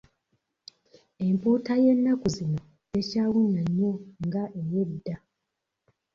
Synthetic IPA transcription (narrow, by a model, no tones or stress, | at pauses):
e̞mpuːtaje̞nːakuzino | ecaːwunːaɲːo̞ŋɡaʔejedːa